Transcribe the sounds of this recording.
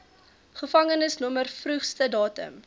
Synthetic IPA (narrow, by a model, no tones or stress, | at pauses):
χəfɐŋənəsnumərfrʉχstədɑːtə̰m